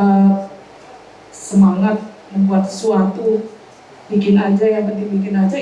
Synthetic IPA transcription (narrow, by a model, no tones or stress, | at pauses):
ə | səmaŋat̪̚jaŋbuat̪suat̪u | bikɪnad͡ʒajakəd̪ibikɪnad͡ʒa